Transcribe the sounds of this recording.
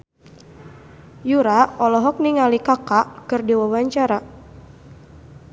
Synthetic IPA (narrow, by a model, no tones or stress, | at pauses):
juɾaɔlɔɦɔk̚niŋalikakakɨrdiwawaɲt͡ʃaɾa